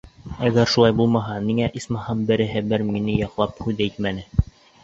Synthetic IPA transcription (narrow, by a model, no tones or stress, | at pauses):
æɡæɾʃulˠɑjbulˠmɑɦɑniŋæʔismɑhɤmbɘ̆ɾɘ̆ɦɘbɘɾminɘjɑqlˠɑp̚hʉðæit̪mænɘ